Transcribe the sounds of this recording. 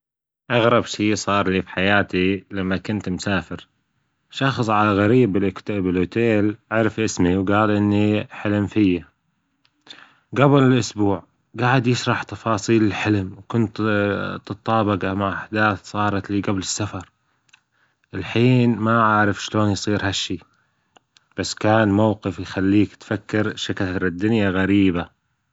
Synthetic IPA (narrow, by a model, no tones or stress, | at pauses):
ʔɑɣɾˤɑbʃiːsˤɑːɾˤliːfi̥ħajaːt̪ilamːakʊnt̪mʊsaːfɪɾ | ʃɑxsˤʕalaɣaɾiːbɪlʔkt̪bɪloːt̪eːlʕaɾɪfʔɪsmiwɡaːlʔɪnːiħɪlmfɪjːa | ɡabɪlɪlʔʊsbuːʕ | ɡaːʕɪd̪jɪʃɾˤɑħt̪ɑfɑːsˤiːlɪlħɪlmwkʊnt̪t̪ɨt̪ˤːɑːbɑɡamaʕʔaħd̪aːθsˤɑːɾˤɑt̪liːɡablɪsːafɑɾˤ | ʔɪlħiːnmaʕaʕɾɪfʃloːnjsˤiːɾhaʃːiː | b̥asːkaːnmawqɪfjxalːiːkt̪fakːɪɾʃakatɾɪd̪ːʊnjaɣaɾiːba